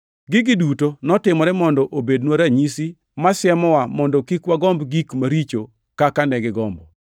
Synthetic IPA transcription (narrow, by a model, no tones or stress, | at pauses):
ɡɪɡɪdutonɔtɪmɔɾɛmɔndɔʔobednwaɾaɲisi | masjɛmɔwamɔndɔkikwaɡɔmbɡikmaɾit͡ʃo | kakanɛɡɪɡɔmbɔ̰